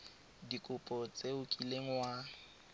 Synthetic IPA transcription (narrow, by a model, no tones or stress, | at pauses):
dikʼʊpʼɔt͡sʼeʊkʼileŋ̩wa